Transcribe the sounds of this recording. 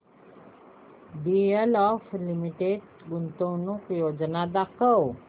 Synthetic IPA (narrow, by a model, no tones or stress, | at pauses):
ɖiəlɔflimiʈeɖ | ɡunt̪õwnukjod͡znad̪akʰəw